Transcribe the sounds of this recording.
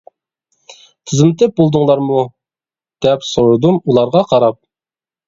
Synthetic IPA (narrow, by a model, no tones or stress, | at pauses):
t̪ʰɨzɪmt̪ʰɪp̚bolˠd̪ʊŋlˠɑɾmu | d̪̥ɛpsoɾd̪umulˠɑɾʁɑqʰɑɾɑp̚